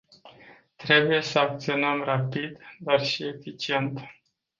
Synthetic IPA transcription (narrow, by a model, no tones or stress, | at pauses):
t̪ɾe̞buje̞səak̚t̪sio̞nəmrapid̪d̪arʃie̞fit͡ʃie̞nt̪